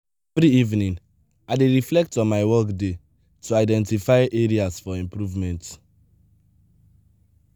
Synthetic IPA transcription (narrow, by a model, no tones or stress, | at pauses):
ɛvɹiivnĩn | aɪdeɹiflɛk̚tɔ̃nmaɪwɔkde | tʰuaɪdɛ̃ntifaɪʔeɹiasfɔĩmpɹuvmɛ̃nt